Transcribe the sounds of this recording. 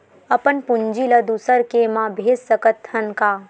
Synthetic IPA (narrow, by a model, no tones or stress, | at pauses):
əpənpund͡ʒiləd̪usəɾkemãbʱeːd͡ʒsəkət̪hənka